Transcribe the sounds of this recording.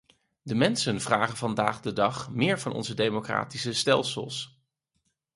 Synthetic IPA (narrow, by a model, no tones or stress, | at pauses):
dəmɛnsənvraːχənvɑnda̰ːχdədɑχmɪːɹvɑnɔ̰nzədejmokra̰ːtisəstɛlˠsə̰lˠs